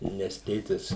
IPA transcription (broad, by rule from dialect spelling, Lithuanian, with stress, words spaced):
nʲɛs ˈtʲeːtʲɪs